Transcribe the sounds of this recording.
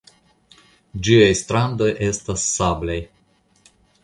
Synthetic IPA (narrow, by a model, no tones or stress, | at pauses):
d͡ʒiajst̪ɾand̪o̞jʔe̞st̪asːablej